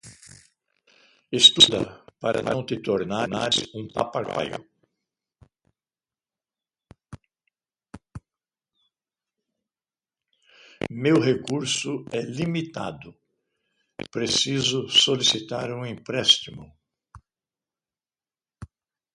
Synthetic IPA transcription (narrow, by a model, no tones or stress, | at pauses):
est̪ud̪ɐ̰paɾɐ̰lãw̃t̪ɪt̪oɾnanaũpa̰paɾka̰jʊ̰ | mewɦekuɾsʊɛlimit̪a̰d̪ʊ | pɾesizʊsolisit̪aɾũẽpɾɛst̪imʊ